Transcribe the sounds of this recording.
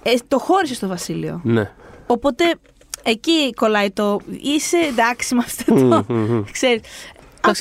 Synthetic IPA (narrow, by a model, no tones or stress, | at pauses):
et̪o̞xo̞ɾisest̪o̞vɐsilio̞̰neopo̞t̪e̞ | eciko̞lɐit̪oise̞d̪ɐksimɐft̪et̪ookseɾis